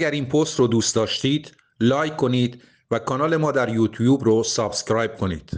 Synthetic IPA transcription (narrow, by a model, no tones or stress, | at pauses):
æɡæɾiːnpʰost̪ɾoːd̪uːst̪d̪ɒːʃt̪iːd̪̥ | lɒːjkʰo̞niːd̪ | vækʰɒːnɒːle̞mɒːd̪æɾjuːt̪ʰjuːbɾosɒːb̥scɾɒːjb̚kʰo̞nḭːd̪̥